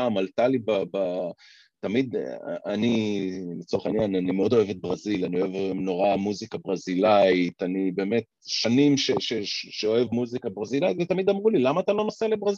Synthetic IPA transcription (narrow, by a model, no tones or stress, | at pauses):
amalt̪alibaba | tamid̪anilit͡soeχainjananimeo̞d̪o̞e̞vet̪̚bʁazilanio̞evno̞ʁamuzikabʁazilait̪anibeːme̞t̪̚ | ʃanimʃeʃeʃeo̞e̞vmuzikabʁazilait̪ve̞t̪amid̪amʁulilamaːt̪alo̞noselebʁaz